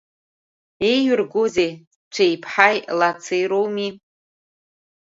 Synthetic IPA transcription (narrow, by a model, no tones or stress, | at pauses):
ejjʏrɡʊzej | t͡ʃʷʰejpʰħajlat͡sʰɨjɾowmi